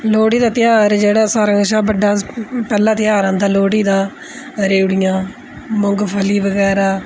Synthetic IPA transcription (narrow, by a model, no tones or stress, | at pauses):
loːɽiːd̪aːt̪ɪjaːɾd͡ʒeːɽaːsaːɾəŋʃaːbəɖaːpɛːlãːt̪ɪjaːɾãːnd̪ãːloːɽiːd̪aː | ɾeːuɽɪjãː | mʊŋɡpʰəliːʋəɡɛːɾaː